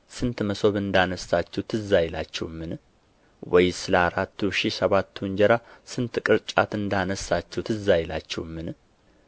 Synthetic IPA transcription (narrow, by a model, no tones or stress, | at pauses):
sɨnt̪məso̞βɨnd̪anəsːat͡ʃːɛwt̪ʰɨzajla̰t͡ʃːɛ̰wmːɨn | wɔjsɨləaɾat̪ːuʃisəβat̪ʰːuɲd͡ʒɛɾasɨnt̪kʼɨɾt͡ʃʼat̪ɨnd̪anəsːat͡ʃːɛwt̪ʰɨzajla̰t͡ʃːɛ̰wmːɨn